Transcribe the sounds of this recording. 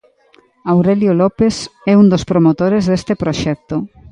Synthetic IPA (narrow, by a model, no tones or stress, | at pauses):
awɾeljolopesɛund̪ospɾomot̪oɾezðest̪epɾoʃɛk̚t̪o